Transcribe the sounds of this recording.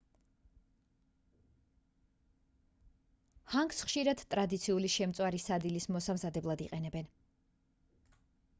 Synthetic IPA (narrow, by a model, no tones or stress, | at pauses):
haŋɡsχʃiɾad̪̥t̪ʼɾad̪it̪sʰiuliʃɛmt̪sʼwaɾisad̪ilismɔsamzad̪ɛblˠad̪iqʼɛnɛbɛn